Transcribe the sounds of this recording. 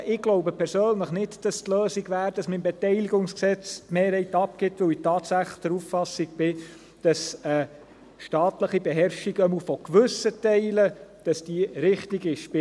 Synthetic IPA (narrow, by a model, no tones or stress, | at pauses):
ʔɪɡ̥lɔʊbəpʰɛɾsøːnləχnɪtd̥ɑstløːsiɡʋæːɾd̥ɑsmɪmbɛt̪ɛɪliɡʊŋsksɛt͡stmeːɾhɛɪtɑp̚ɡɪtːʋɵwɪtɑːtsæχd̥̪əɾuffɑsiɡ̚b̥ɪ | d̥ɑsə | ʃtɑːtləχibeɦɛɾʃiɡəmufɔkʋʏsətɛɪləd̥ɑsd̥iɾɪχtiɡɪʃpɪ